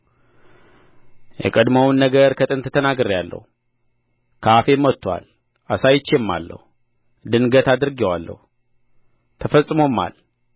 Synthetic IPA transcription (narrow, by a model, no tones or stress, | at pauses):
jɛ̰kʼəd̪məwnːəɡəɾkʰət̪ʼɨnt̪ʰət̪ʰənaɡɨɾjalːə̰hu | kʰafe̞mɔt̪ːwa̰l | ʔasajɪt͡ʃːemːa̰lːə̰hu | d̪ɨnɡət̪ad̪ɨɾɡewalːə̰hu | t̪ʰəfəsʼːɨmo̞ma̰l